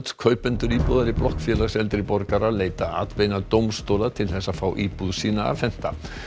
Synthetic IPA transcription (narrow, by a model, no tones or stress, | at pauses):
t̪kʰœːɥpɛnt̪ʏɾiːpoðaɾɪplɔhkfjɛlaɣsɛlt̪ɾɪpɔɾkaɾaleːjt̪aa̰ːt̪pejnat̪owmst̪owlat̪ʰɪlθɛsːafawʔiːpuðsiːnaa̰fɛn̥t̪a